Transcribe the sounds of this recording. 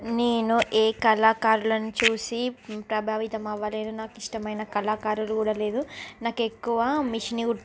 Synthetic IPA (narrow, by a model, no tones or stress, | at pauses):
neːnuʔeːkɐlaːkaːɾulɐnut͡ʃuːsipɾɐbʱaːʋit̪ɐmɐʋːaːleːnunaːkiʂʈɐmɐjnɐkɐlaːkaːɾulukuːɽaːle̞ːd̪unaːke̞kːuʋaːmiʂiniu